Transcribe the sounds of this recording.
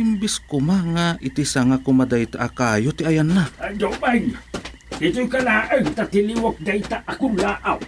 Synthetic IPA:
imbiskumaŋaʔit̪isaŋakumad̪ait̪aʔakajot̪iajanːaadobain | it̪ujkalaʔəŋt̪at̪iliwok̚d̪ait̪aʔakunlaʔaw

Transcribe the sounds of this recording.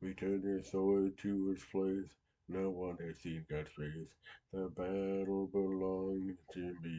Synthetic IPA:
witʰɜ̃˞ndə˞sɔɪd̚tʰɨɪspʰl̥eɪs | noʊwʌ̃nɨd̥sĩnɡɑdsfeɪsðəbæɾl̩ˠbɪlɔ̃ŋtʰɪ̃nði

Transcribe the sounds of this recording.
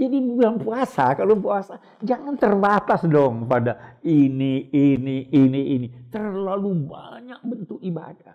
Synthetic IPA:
d͡ʒadibibilaŋpuasakalopuasa | d͡ʒaŋant̪ərbat̪asdɔŋkəpadainiiniːniinit̪ərlalubaɲak̚bənt̪ʊk̚iba̰da

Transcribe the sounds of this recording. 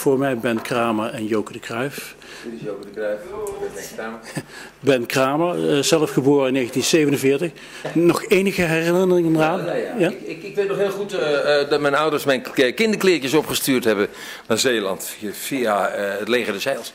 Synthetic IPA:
v̥ʊːɹmɛjbɛnkraːməɹɛnjowkədəkrœɥf | ok | bɛnkraːməɹzɛləfχəboːrəɪneːɣəntinsejvənənvɪːɹtəx | nɔχejnəɣəɦɛrəɪnərɪŋənəraːnakʋetnɔχhɦɪːlˠχutdɑt̚mɛjnʌwdəɹsmɛjnkɪndəɹklɪːɹcəsɔpχəstyːɹthɛbə | nazeːlɑ̰nt | fiaətleːχədɛsɛjlˠs

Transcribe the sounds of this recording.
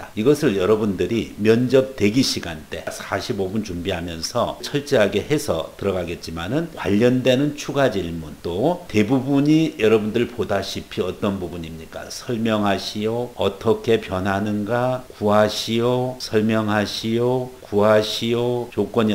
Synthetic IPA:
taiɡʌsʰɯɭjʌɾʌbundɯɾimjʌnd͡ʑʌp̚twe̞ɡiɕʰiɡant͈e̞sʰaɕʰibobunt͡ɕumbiɦamjʌnsʰʌ̰t͡ɕʰʌɭt͡ɕ͈eɦaɡe̞he̞sʰʌ̰tɯɾʌɡaɡe̞t̚t͡ɕ͈imanɯnkwa̰ʎːʌndwe̞nɯnt͡ɕʰuɡad͡ʑiiɭmunt͈ote̞bubuɲijʌɾʌbundɯɭpodaɕʰipʰiʌt͈ʌnbubuɲimɲik͈a̰sʰʌɭmjʌŋɦaɕʰijoʌt͈ʰʌkʰe̞pjʌnɦanɯnɡakuɦaɕʰijosʰʌɭmjʌŋɦaɕʰijokuɦaɕʰijot͡ɕok͈wʌɲi

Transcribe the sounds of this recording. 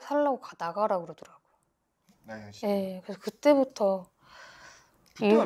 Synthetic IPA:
sʰaɭːaɡokadaɡaɾaɡɯɾʌdɯɾaɡ̥oj | je̞kɯɾesʰʌkɯt͈e̞butʰʌ | iu

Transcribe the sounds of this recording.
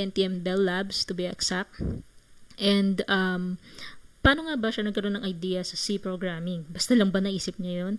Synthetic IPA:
ɛnt̪iʔɛmbɛlːabst̪ʊbiʔɐksak̚ | ʔɛnd̪ɐm | paːno̞ŋabɐʃanɐɡ̚kɐɾo̞nːɐŋʔɐjd̪iːjɐsɐsipɾoɡɹamɪŋbɐst̪alɐŋbɐnɐʔiːsɪp̚ɲɐjo̞n

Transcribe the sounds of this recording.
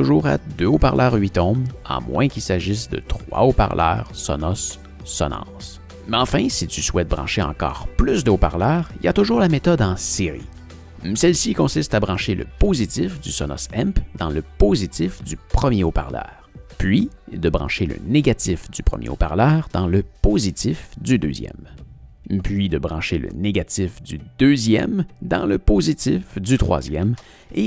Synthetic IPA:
t̪uʒuːʁa̰d̪øopaʁlʔœːʁɥit̪ɔ̃ma̰mwɛ̰̃kʲilsaʒisd̪ə̰t̪χwa̰opa̰ʁlʔœːʁsɔ̰nɔsː | ɔ̰nɑ̰̃ːs | mɛɑ̃fɛ̃sit̪yswɛt̪̚bʁɑ̰̃ʃeɑ̰̃kɔ̰ːʁplysd̪əopaʁlœːʁilja̰t̪uʒuːʁlamet̪ɔd̪ɑ̃seʁḭ | mɛsɛlsikɔ̃sist̪abʁɑ̃ʃelə̰pozit̪ɪfd̪ysɔnɔ̰sɛmpd̪ɑ̃ləpozit̪ɪfd̪ypχəmjeopa̰ʁlœ̰ːʁpɥid̪əbʁɑ̰̃ʃelə̰neɡat̪ɪfd̪ypχə̰mjʔḛo̰pa̰ʁlœːʁd̪ɑ̃ləpozit̪ɪfd̪yd̪ø̰ːzjɛ̰m | pɥid̪əbʁɑ̃ʃelə̰neɡat̪ɪfd̪yd̪øzjɛ̰md̪ɑ̰̃ləpozit̪ɪfd̪yt̪χwa̰ːzjɛm | e

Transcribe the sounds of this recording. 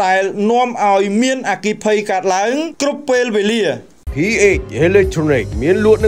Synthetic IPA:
ɗaɛlnŏəmʔaɔjmiənʔaːkiːpʰəjkaət̪̚laəŋkrupːeːlʋeːliə | pʰiːʔeːc̚ʔelɛk̚t̪ʰroːniːk̚miənluət̪̚nɨ

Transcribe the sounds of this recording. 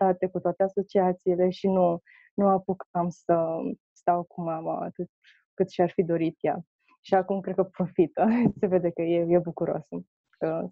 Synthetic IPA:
at̪e̞kut̪oat̪e̞aso̞t͡ʃiat̪siːle̞ʃinu | nuapukkamsə | st̪awkumama̰a̰t̪ɨt̪ | kɨt̪ʃiarfid̪o̞ɾit̪ja | ʃiakumkɾed̪kəpɾo̞fit̪əse̞ve̞d̪e̞kəjeje̞bukuɾo̰s | kə

